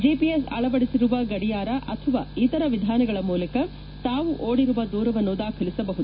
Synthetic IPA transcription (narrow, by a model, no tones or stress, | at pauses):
d͡ʒiːpiesɐ̰ɭɐʋɐɽisiɾuʋɐɡɐɽijaːɾɐʔɐt̪ʰɐʋa̰ːit̪ɐɾɐʋid̪ʱaːnɐɡɐɭɐmuːlɐkɐ | t̪aːʋuʔoːɽiɾuʋɐd̪uːɾɐʋɐnːud̪aːkʰɐlisɐbɐɦud̪